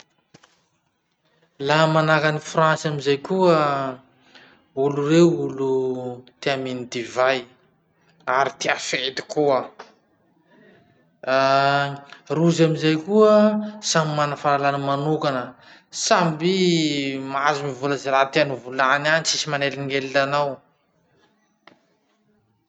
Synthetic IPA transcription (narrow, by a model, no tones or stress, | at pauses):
lamanakanifrãnsamizajkuə | ulureulut̪eaminid̪ivaj | aɾit̪eafet̪i̥kuə | ruzamizajkuəsamimanəfaɾalanəmanukanə | sambi | mazumivuləzeɾat̪eanuvulananisisimaneliniŋelilanaw